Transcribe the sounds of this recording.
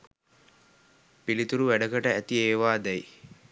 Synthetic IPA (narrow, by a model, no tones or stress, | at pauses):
pilit̪uɾuʋæɖɐɡɐʈɐæt̪ieːʋaːd̪ɛji